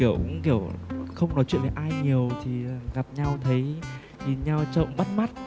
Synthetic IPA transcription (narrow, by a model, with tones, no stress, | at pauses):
i˧˩əwkki˧˩əwxə˧wŋ͡mnɔ˨˦t͡ɕwḭ˧˨nve˨˩ʔaː˧jɲi˨˩əwt̪ʰi˨˩˨ɣa˨˩p̚ɲa˧wt̪ʰə˨˦j | ɲi˨˩nɲa˧wt͡ɕə̰˧˨mɓa˦˥t̚ma˦˥t̚